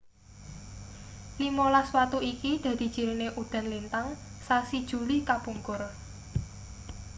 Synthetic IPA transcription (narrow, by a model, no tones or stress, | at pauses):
limolaswat̪uikid̪̥ä̤d̪̥i̤̥ʒ̥i̤ɾineʔud̪̥ä̤nlint̪aŋsasid̥ʒ̥ṳlikapuŋkʊr